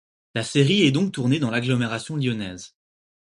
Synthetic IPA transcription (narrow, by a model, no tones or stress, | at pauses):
laseʁiɛd̪ɔ̃k̚t̪uʁned̪ɑ̃laɡlɔmeʁasjɔ̃ljɔnɛz